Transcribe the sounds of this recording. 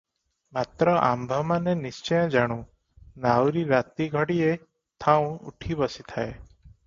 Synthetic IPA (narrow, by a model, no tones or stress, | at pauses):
mat̪ɾɔʔa̰mbʱɔmanenist͡ʃɔjɔ̃d͡ʒaɽ̃ũ | nawɾiɾat̪iɡʱɔɽie | t̪ʰaw̃ṵʈʰibɔsit̪ʰae